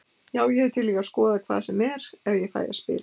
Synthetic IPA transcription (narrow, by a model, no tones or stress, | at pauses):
jaːwjɛhɛðt̪ʰɪlːiːɣaskɔːðakʰva̰ːðsɛmɛɾɛvjɛfa̰ːja̰spɪ̰ːl